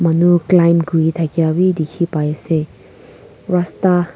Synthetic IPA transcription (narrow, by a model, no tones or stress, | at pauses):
mɐnuklajmɡujt̪ʰakjawid̪ikʰipajase | ɾast̪a